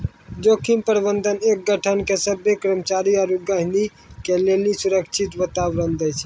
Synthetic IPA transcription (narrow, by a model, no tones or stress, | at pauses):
d͡ʒokimpəɾbənd̪ʱənek̚ɡəʈʰənkesəbːekɾəmət͡ʃaɾiaɾuɡəɦni | kelelisuɾəkt͡ʃʰit̪bət̪aʋɾənd̪ɛt͡ʃʰ